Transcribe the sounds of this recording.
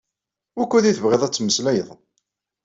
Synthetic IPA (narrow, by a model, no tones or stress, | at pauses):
ʊkʷːuðiθəvʁeðˤæt͡sːməslæjəðˤ